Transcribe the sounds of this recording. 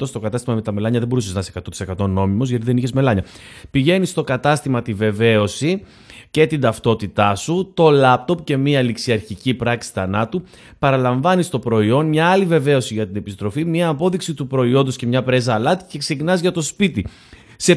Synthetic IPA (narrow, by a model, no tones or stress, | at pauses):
ost̪o̞kɐt̪ɐst̪imɐmet̪ɐme̞lɐɲɐðembo̞ɾuseznɐsekɐt̪ot̪isekɐt̪o̞no̞mimo̞zʝɐt̪iðe̞niçezme̞lɐɲɐpiʝe̞nist̪o̞kɐt̪ɐst̪imɐt̪ive̞ve̞o̞si | ce̞t̪ind̪ɐft̪o̞t̪it̪ɐsut̪o̞lɐp̚t̪o̞pce̞miɐliksiɐɾçicipɾɐksi̥θɐnɐt̪u | pɐɾɐlɐɱvɐnist̪o̞pɾo̞io̞nmɲɐɐlive̞ve̞o̞siʝɐt̪ine̞pist̪ɾo̞fimiɐːpo̞ðiksit̪upɾo̞io̞nd̪osce̞mɲɐpɾe̞zɐːlɐt̪i̥ce̞ksecinɐzʝɐt̪o̞spit̪i | se̞